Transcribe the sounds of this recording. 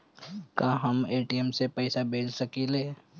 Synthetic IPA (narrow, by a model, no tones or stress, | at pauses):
kaːɦəmeːʈiɛmsepəɪsabeːd͡ʒsɐkeːleː